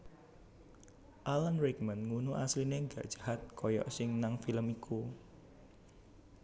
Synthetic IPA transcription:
ʔalənɾikmənŋunuʔaslineŋɡä̰ʔdʒ̥ahat̪̚kʰɔjɔ̰ʔsɪŋnaŋfiləmikʰu

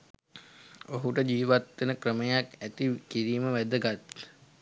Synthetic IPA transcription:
oɦuʈəd͡ʒiːʋat̪wenəkrəməjakæt̪ikiɾiːməʋæd̪əɡat̪

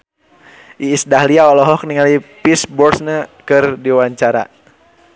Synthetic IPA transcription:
ʔiːsdaɦliaɔlɔɦɔk̚niŋalipisbɔrsnəkɨrdiwaɲt͡ʃaɾa̰

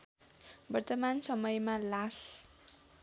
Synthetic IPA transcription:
bʌrt̪ʌmansʌmʌjmalas

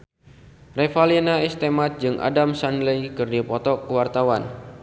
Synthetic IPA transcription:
refalinaist̪emat̪̚d͡ʒɨŋʔa̰damsanləjkɨrdipɔt̪ɔkəwart̪awan

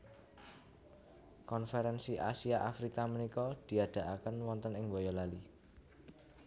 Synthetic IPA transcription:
kɔnfɛɾɛnsiʔa̰siaʔafɾikamənikɔd̪̥i̤ad̪̥a̤ʔakənwɔnt̪ənɪŋwɔjɔlali

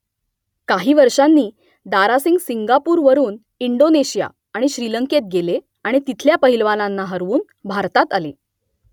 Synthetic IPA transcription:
kaɦiːʋəɾʂanːiː | d̪aɾasiŋɡsiŋɡapuːɾʋəɾuːn | iɳɖoneɕija̰ | aɽ̃iɕɾiləŋket̪̚ɡele | aɽ̃it̪it̪ʰljapəɦilʋalanːaɦəɾʋuːn | bʱaɾt̪at̪ale

